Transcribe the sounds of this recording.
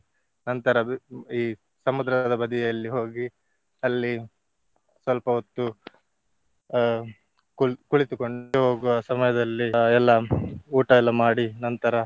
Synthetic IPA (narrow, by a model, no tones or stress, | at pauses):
nɐnt̪ɐɾɐiː | sɐmud̪ɾɐd̪ɐbɐd̪ijɐlːiɦo̞ːɡi | ɐlːi | sʋɐlpɐot̪ːu | kukuɭit̪ukoɳɖeɦo̞ːɡuʋɐsɐmɐjɐd̪ɐlːiɛlːɐuːʈɐɛlːɐmaːɽinɐnt̪ɐɾɐ